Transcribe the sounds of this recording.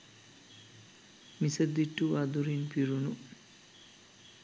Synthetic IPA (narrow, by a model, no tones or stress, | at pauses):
misəd̪iʈːuʋad̪uɾinpiɾunu